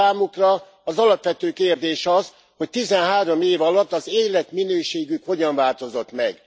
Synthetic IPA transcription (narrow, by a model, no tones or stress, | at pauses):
aːmukrɒː | zɒlɒpʋɛt̪øːkeːrd̪eːʃɒz | ho̞c̚t̪izɛnɦaːɾo̞meːvɒlɒt̪ːɒzeːlɛt̪minøːʃeːɡykho̞ɟɒɱvaːlt̪o̞zo̞t̪mɛɡ